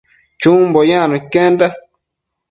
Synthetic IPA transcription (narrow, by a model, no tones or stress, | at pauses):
t͡ʃũmbojãnũkend̪a